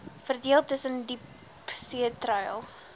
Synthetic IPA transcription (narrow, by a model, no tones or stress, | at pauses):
fərdiəlˠtəsəndip | siətrəjəlˠ